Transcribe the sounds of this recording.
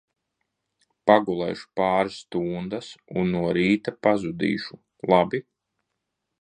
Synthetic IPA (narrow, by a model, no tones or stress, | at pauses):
paɡulˠɛ̰jʃu̥paːɾsːt̪uːnd̪asunːuɔɾiːt̪apazud̪ḭːʃu | lˠabi